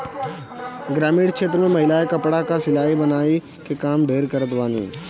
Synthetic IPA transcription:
ɡɾaːmiːɽt͡ʃʰeːt̪ɾəmẽmɐɦɪlaːekɐpɽakasɪlaːɦibɐnaːi | kekaːmɖʱeːɾkəɾət̪ʋaːnḭː

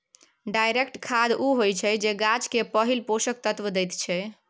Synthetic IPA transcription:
ɖajɾekʈkʰad̪uɦojt͡ʃʰɛd͡ʒeɡat͡ʃkepəɦilpoʃək̚t̪ət̪ʋəd̪ɛjt̪t͡ʃʰɛ

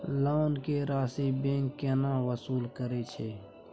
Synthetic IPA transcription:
laːʊnkeɾaːsibẽŋkːeːnawəsuːlkəɾet͡ʃʰeː

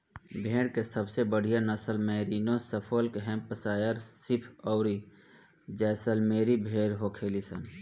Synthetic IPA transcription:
bʱeːɽkesəbsebəɽ̤ijanəsəlməːɾiːnõsəpʰolkeɦɛ̃pəsaːjəɾsɪpʰɔʊɾi | d͡ʒɛːsəlmeːɾibʱeːɽɦokʰeːlisən

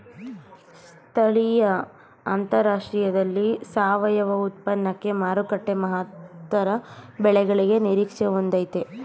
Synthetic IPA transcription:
s | t̪ʰɐɭijɐ | a̰nt̪ɐɾaːʂʈɾijɐd̪ɐlːisaːʋɐjɐʋɐut̪̚pɐnːɐkːe̞maːɾukɐʈːemɐɦat̪ʋɐɾɐbɛɭɛɡɐɭiɡe̞niɾiːkʂeʋond̪ɐjt̪e

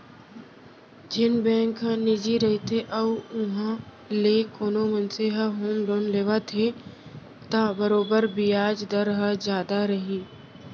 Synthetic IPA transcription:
d͡ʒɪnbɛ̃ːŋkɦə̃nɪd͡ʒiɾɐɦit̪ʰeʔɐʊɦã | leːkoːnomənseɦəɦoːmɾoːnleːʋat̪ʰe | t̪abəɾoːbəɾbijaːd͡ʒd̪əɾɦəzjaːd̪aɾɐɦiː

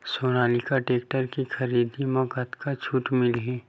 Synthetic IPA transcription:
soːñaːlikaʈeːk̚ʈəɾkixɐɾiːd̪imɔɡət̪kat͡ʃʰuːʈ̪mɪlɦẽː

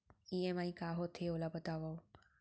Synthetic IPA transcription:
iemaĩkaːɦot̪ʰeolabət̪aʋao

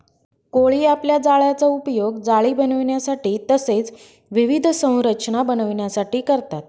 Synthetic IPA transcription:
koɭiːapljad͡zaɭjat͡saupjoɡd͡zaɭiːbənəʋɳjasaʈiːt̪əset͡s | ʋiʋid̪ʱsə̃w̃ɾəɕnabənəʋɳjasaʈiːkəɾt̪at̪̚

